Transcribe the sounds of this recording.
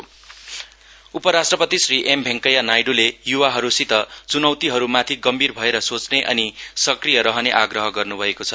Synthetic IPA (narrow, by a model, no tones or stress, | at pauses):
upʌɾasʈrʌpʌt̪isriʔembʱeŋkʌjanajɖulejuwaɦʌɾusit̪ʌt͡sunʌwt̪iɦʌɾumat̪ʰiɡʌmbʱirbʱʌeɾʌsot͡sneʔʌ̰nisʌkrijʌɾʌɦʌneʔaɡrʌɦʌɡʌrnubʱʌekot͡sʰʌ